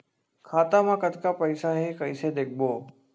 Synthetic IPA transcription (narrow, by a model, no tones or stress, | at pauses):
kʰaːt̪amãkət̪kapəɪsaɦekɐɪsed̪eːk̚ʰboː